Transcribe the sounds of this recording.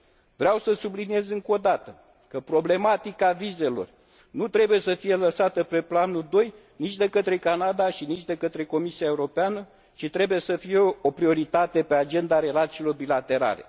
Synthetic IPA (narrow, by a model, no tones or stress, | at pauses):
vɾeawsəsublinije̞zɨŋko̞d̪at̪ə | kəpɾo̞ble̞mat̪ikavize̞lo̞̰r | nut̪ɾe̞buje̞səfije̞ləsat̪əpe̞planud̪o̞j | nit͡ʃʲd̪e̞kət̪ɾe̞kanad̪aʃinit͡ʃʲd̪e̞kət̪ɾe̞ko̞misiae̞uɾo̞peanə | t͡ʃit̪ɾe̞buje̞səfije̞o̞pɾio̞ɾit̪at̪e̞pe̞ad͡ʒe̞nd̪aɾe̞lat̪siːlo̞rbilat̪e̞ɾa̰le̞̰